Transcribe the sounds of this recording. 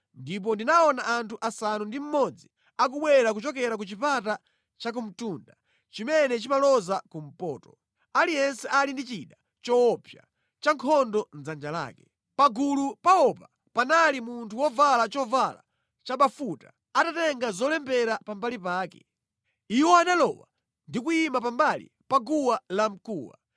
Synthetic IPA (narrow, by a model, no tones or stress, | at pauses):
ndip̬ɔndinaɔnaʔantʰuʔasanundim̩mɔd͡zi | ak̬uɓwɛɾak̬ut͡ʃɔkɛɾak̬ut͡ʃipata | t͡ʃak̬um̩tunda | t͡ʃimɛnɛt͡ʃimalɔzakum̩pɔ̰ːtɔ̥ | alijɛnsɛʔalindit͡ʃiɗa | t͡ʃɔwɔpʰja̰ | t͡ʃaŋkʰɔndɔn̩d͡zand͡ʒala̰ːkɛ | paɡulupaɔpa | panalimuntʰuwɔvalat͡ʃɔvala̰ | t͡ʃaɓafutḁ | atatɛŋɡazɔlɛmbɛɾapambalipaːkɛ̰ | iwɔanalɔ̰wa | ndikuimapambalḭ | paɡuwalam̩kuːwa̰